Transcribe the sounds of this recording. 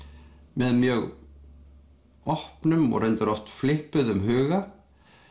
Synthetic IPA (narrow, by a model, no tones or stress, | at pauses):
mɛðmjœɣ | ɔhpnʏmɔ̰ɣrɛjnt̪ɪɾɔft̪flɪhpʏðʏmɦʏːɣa